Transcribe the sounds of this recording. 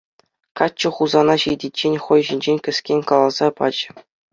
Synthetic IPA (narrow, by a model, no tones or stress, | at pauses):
kɑt͡ɕːɤ̆χuzɑnɑɕijdʲitʲt͡ɕːenʲχojʑinʲd͡ʑenʲkʲɘ̆sʲkʲenʲkɑlˠɑzɑpɑ̰t͡ɕ̆